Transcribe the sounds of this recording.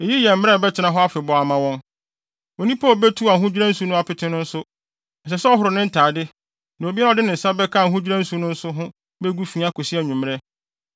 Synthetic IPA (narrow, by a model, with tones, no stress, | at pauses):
e˨ji˦jɛ˨m̩˦mɪ̃˦ɾɛ˦˨bɛ˦tʰɪ˨nã˨ɦɔ˦a˦fɪ˨bɔ˨a˨mã˨wɔ̃˦n | o˨nĩ˦pʰa˦˨bɛ˦tʰu˦a˨ɦũ˦d͡ʑᶣɾã˦n̩˦su˨˦nʊ̃˦a˨pɪ˨tʰɪ̃˦nʊ̃˦n̩˦sʊ˦ | n̩ɛ˨s̬ɛ˨sɛ˦ɔ˦ɦʊ˨ɾʊ˨nɪ̃˦n̩˦tʰaː˨dɪ˦ | nã˨o˨bi˦a˦a˨dɪ˦nɪ̃˨sa˦bɛ˦kʰa˦˨ɦũ˦d͡ʑᶣi˦ɾã˦n̩˦su˨˦nʊ̃˦n̩˦sʊ˦ɦʊ̃˦ | bɛ˦ɡu˦fi˨a˦kʰo˨si˦æ˨ɲũ˨m̃˦ɾɛ˦